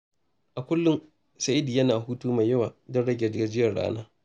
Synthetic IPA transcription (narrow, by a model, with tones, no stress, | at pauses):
ʔa˨kʷʊ˦lːʊ˦n | sɐ˨ʔi˦di˨jɐ˦naː˨ɦuː˦tuː˦ma˨jɐ˦waː˨dɔ˦nɽɐ˦ɡʲɛ˨d͡ʒɪ˦jɐ˨ɽa̰ː˦na̰ː˦